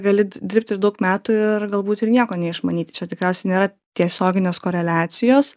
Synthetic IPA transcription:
ɡɐlʲɪd̪ʲɪɾp̚ʲt̪ʲɪɾd̪ɐʊkmʲæːt̪uɪɾɡɐlˠbuːt̪ɪɾnʲiɛkoːnʲɛɪʃmɐnʲiːt̪ʲɪt͡ʃʲɛt̪ʲɪkɾʲɛˑʊsʲɛɪnʲeːɾɐ | t̪ʲiɛsʲoːɡʲɪnʲeːskoːɾʲɛlʲæːt͡s̪ʲɪjoːs

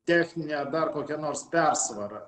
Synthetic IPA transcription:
t̪ʲæːxʲnʲɪnʲɛd̪ɐrkoːkʲɛnoːɾspʲæɾsʋɐɾɐ

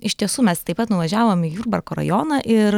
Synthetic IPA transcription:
ɪʃʲt̪ʲiɛsuːmʲɛst̪ɐɪpːɐt̪nʊʋɐʒʲæːʋoːmɪjuːɾbɐɾkoːɾɐ̰joːnɐʔɪɾ

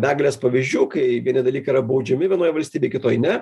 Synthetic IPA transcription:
bʲæːɡlʲeːspɐʋʲiʒʲd͡ʒʲuːkɐɪʋʲiɛnʲɪd̪ɐlʲiːkɐɪiɾɐbɐʊd͡ʒʲɛmʲɪʋʲiɛnoːjʋɐlʲsʲt̪ʲiːbʲeːɪkʲɪt̪oːjnʲɛ

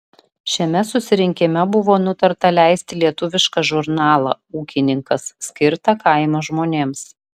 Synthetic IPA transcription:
ʃʲɛmʲɛsʊsʲɪɾʲɪŋʲkʲɪmʲɛbʊʋoːnʊt̪ɐɾt̪ɐlʲæˑɪsʲt̪ʲɪlʲiɛt̪ʊʋʲɪʃkɑʒʊɾnɑːlˠɐ̰uːkʲɪnʲɪŋkɐsːʲkʲɪɾt̪ɐkɐɪmoʒmoːnʲeːms

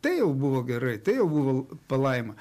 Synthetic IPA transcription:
t̪ɐɪjɛʊbʊʋoːɡʲɛɾɐɪt̪ɐɪjɛʊbʊʋoːpɐlˠɐɪmɐ

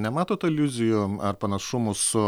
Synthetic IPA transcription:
nʲɛmɑːt̪oːt̪ɐɪlʲuzʲɪjʊɐrpɐnɐʃʊmʊsʊ

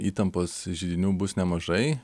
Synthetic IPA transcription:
iːt̪ɐmpoːsʒʲid̪ʲɪnʲuːbʊsnʲɛmɐʒɐɪ

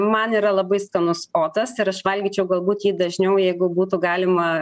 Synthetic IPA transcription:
mɐniːɾɐlˠɐbɐɪskɐnʊsoːt̪ɐsɪɾɐʃʋɐlʲɡʲiːt͡ʃʲɛʊɡɐlˠbuːt̪jiːd̪ɐʒʲnʲɛʊjɛɪɡʊbuːt̪ʊɡɑːlʲɪmɐ

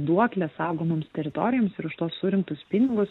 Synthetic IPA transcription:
d̪uɔklʲɛssɑʊɡoːmomst̪ʲɛɾʲɪt̪ɔɾʲɪjoːmsɪɾʊʃt̪oːsːʊɾʲɪŋkt̪ʊspʲɪnʲɪɡʊs

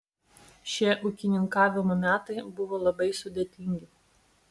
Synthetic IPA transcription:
ʃʲiɛʔʊkʲɪnʲɪŋkɑːʋʲɪmomʲæːt̪ɐɪbʊʋoːlˠɐbɐɪsʊd̪ʲet̪ʲɪŋʲɡʲɪ

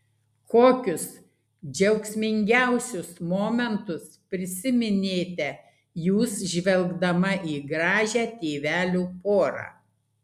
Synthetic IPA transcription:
koːkʲʊs | d͡ʒʲɛʊksʲmʲɪŋʲɡʲæˑʊsʲʊsmoːmʲɛnt̪ʊspʲɾʲɪsʲɪmʲɪnʲeːt̪ʲɛ | juːsʒʲʋʲɛlˠɡd̪ɐmɐʔiːɡɾɑːʒʲæːt̪ʲeːʋʲæːlʲuːpoːɾɑ̰ː

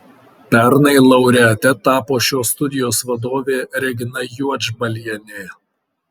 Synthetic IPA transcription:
pʲæɾnɐɪlˠɐʊɾʲɛɐt̪ʲɛt̪ɑːpoːʃʲoːst̪ʊd̪ʲɪjoːsʋɐd̪oːʋʲeːɾʲɛɡʲɪnɐjuɔd͡ʒbɐlʲiɛnʲeː

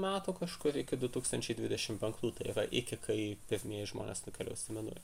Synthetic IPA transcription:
mʲæːt̪uːkɐʃkʊɾɪkʲɪd̪ʊt̪uːkst̪ɐnʲt͡ʃʲɛɪd̪ʲʋʲɪd̪ʲɛʃʲɪmpʲɛŋklˠuːt̪ɐɪiɾɐʔɪkʲɪkʰɐɪpʲɪɾʲmʲiɛjɪʒmoːnʲeːsnʊkʲɛlʲɛ̰ʊʃsʲɪmʲɛnʊ̰j

